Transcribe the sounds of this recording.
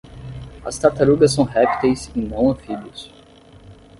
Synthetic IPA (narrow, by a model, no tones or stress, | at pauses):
ɐ̰st̪at̪aɾuɡɐs̬ːɐ̃w̃ɦɛpi̥t̪ejsĩnɐ̃w̃ɐ̃filʊs